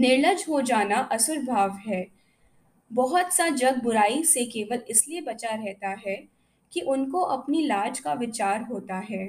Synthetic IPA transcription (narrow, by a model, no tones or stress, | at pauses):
nɪɾləd͡ʒɦod͡ʒaːnaʔɐsʊɾbʱaːʋɦɛː | bɔɦɔt̪sad͡ʒɐɡ̚bʊɾaːisekeːʋəlɪsliebɐt͡ʃaɾɛɦt̪aɦɛ | kiʔʊnkoʔɐpnilaːd͡ʒkaʋɪt͡ʃaːɾɦoːt̪aɦɛː